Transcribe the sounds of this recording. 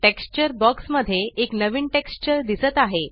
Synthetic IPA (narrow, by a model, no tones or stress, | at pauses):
ʈekst͡ɕəɾbɔksməd̪ʱːjeeknəʋiːɳʈekst͡ɕəɾd̪isət̪aɦe